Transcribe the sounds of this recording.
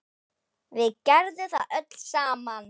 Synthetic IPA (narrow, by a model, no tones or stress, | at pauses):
vɪðcɛɾðʏθaðʔœt̪l̥saːman